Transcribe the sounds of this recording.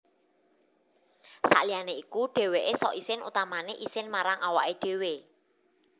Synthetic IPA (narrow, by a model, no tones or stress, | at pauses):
sa̰ʔlianeikuɖ̥e̤weʔesɔʔisɪnṵt̪amaneʔisɪnmaɾaŋʔawaʔeɖ̥e̤we